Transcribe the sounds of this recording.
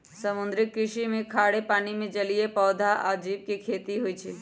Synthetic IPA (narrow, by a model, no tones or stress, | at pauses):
sɐmʊ̃nd̪ɾɪk̚kːɾɪʃimẽkʰaːɽepaːnimẽd͡ʒɐliepɔːd̪ʱaʔaːd͡ʒiːb̚kekʰeːt̪iɦʊit͡ʃʰiː